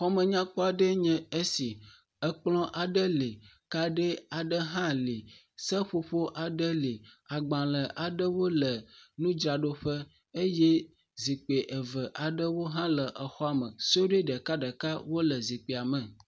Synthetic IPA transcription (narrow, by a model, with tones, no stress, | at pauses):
xɔ˦mə̃˨ɲã˦k͡pɔ˦a˨ɖə˦ɲɛ̃˦e˦si˨ | ə˦k͡plɔ̃˦ʔa˨ɖə˦li˨ | ka˦ɖe˦a˨ɖə˦ɦã˦li˨ | sə˦ɸo˨ɸo˦ʔa˨ɖə˦li˨a˨ɡ͡bã˨lə˨ʔa˨ɖə˦wo˦lə˨nũ˦d͡ʒɾa˨ɖo˦ɸə˦ | e˦je˦ | zi˨k͡pe˨ʔə˨və˨ʔa˨ɖə˦wo˦ɦã˦lə˨ʔə˨xɔ˦a˨mə̃˨si˦o˦ɖe˦ɖə˨ka˦ɖə˨ka˦wo˦lə˨zi˨k͡pe˨a˨mɛ̃˨